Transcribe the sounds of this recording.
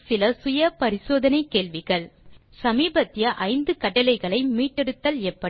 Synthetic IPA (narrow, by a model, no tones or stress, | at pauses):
sɪlɐsʊjɐpɐɾɪsoːðɐnɐɪkːeːɭʋɪɣɐɭ | sɐmiːbɐt̪ːɪjɐʔɐɪnd̪ɯkɐʈːɐlɐɪɣɐɭɐɪmiːʈːɛɽɯt̪ːɐleːpːɐ